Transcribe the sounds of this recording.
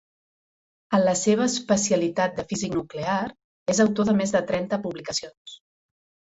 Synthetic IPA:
ənləseβ̞əːspəsiəlit̪at̪̚d̪əfiziknuklear | ezəwt̪oðəmezðət̪ɾɛnt̪əpuβlikəsions

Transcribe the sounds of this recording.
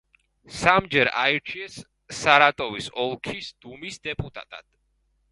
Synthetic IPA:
samd͡ʒɛɾa̰iɾt͡ʃʰiɛsː | aɾat̪ʼɔvisɔlˠkʰisd̪̥umisd̪ɛpʼut̪ʼa̰t̪ʼa̰d̪̥

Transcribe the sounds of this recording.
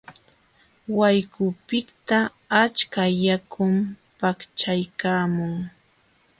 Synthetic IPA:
wajkʊpɪkt̪a | at͡ʃkajakʰʊmpakt͡ʃajkaːmʊŋ

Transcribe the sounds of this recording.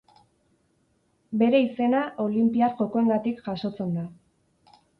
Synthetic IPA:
be̞ɾe̞ise̞naʔo̞limpiarʝo̞ko̞e̞ŋɡat̪ikʝaso̞t͡se̞nd̪a

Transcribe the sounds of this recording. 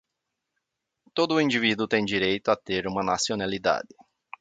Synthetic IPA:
t̪od̪ʊĩnd͡ʒivid̪ʊt̪ẽj̃d͡ʒiɾejt̪ʊat̪eɾũmɐnasionalid̪a̰d̪ɪ

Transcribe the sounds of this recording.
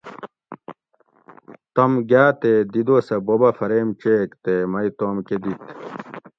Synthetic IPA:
t̪ɐmɡjaːt̪ed̪id̪oːsɐbobɐfɐɾeːmt͡ɕeːkt̪emɐit̪oːmked̪it̪

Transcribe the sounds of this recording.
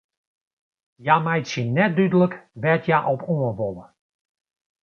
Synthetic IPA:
jamajtsjənɛt̚dydələkʋɛtjaʔɔpɔəʋɔlˠə

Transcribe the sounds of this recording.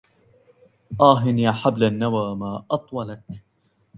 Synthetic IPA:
ʔaːɦɪnjaːħablanːawaːmaːʔɑt̪ˤwɑlak

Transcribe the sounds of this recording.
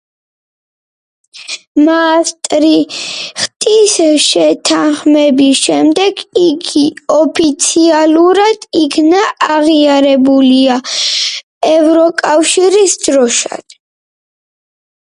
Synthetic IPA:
mast̪ʼɾiχt̪ʼisʃɛt̪ʰaχmɛbisʃɛmd̪ɛɡiɡiɔpʰit̪sʰialuɾad̪̥ikʰnaːʁiaɾɛbulia | ɛvɾɔkʼafʃiɾisd̪̥ɾɔʃa̰d̪̥

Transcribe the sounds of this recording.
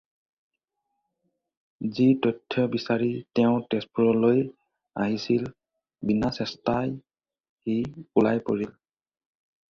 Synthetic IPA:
zitɔjtʰːɔbisaɹitɛʊ̃tɛspuɹɔloj | a̰ɦisil | binasɛstaj | hiulajpoɹil

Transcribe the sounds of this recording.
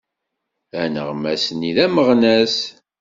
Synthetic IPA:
ænə̰ʁmæsniðæməʁnæs

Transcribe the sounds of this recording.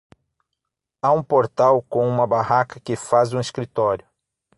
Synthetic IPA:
aũpoɾt̪awkõw̃ũmɐbahakɐkɪfazũeskɾit̪ɔɾjʊ

